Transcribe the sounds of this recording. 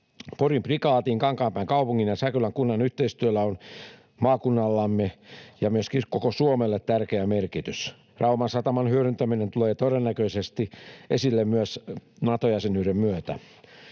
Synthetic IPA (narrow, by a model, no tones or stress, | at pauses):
porimprikɑːt̪iːŋkɑŋkɑːmpæiŋkɑupuŋːinjɑsækylæŋkunːɑnyht̪eist̪yølæon | mɑːkunːɑlːɑmːejɑmyøskikokosuomelːet̪t̪ærkeæmerkit̪ys | rɑumɑnsɑt̪ɑmɑnhyøɾynt̪æminent̪uleːt̪oɾenːækøisest̪iʔesilːemmyøsnɑt̪ojæsenyːremmyøt̪æ̰